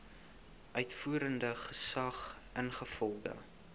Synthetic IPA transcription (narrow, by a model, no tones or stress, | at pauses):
ʔœɥtfuːɾəndəχəsɐχʔənχəfɔlˠdə̰